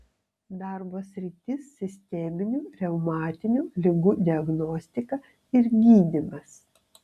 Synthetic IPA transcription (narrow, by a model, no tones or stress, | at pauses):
d̪ɑˑɾboːsʲɾʲɪt̪ʲɪsːʲɪsʲt̪ʲɛmʲɪnʲuːɾʲɛʊmɑːt̪ʲɪnʲuːlʲɪɡud̪ʲɪɐɡnɔːsʲt̪ʲɪkɐ | ɪɾɡʲiːd̪ʲɪmɐs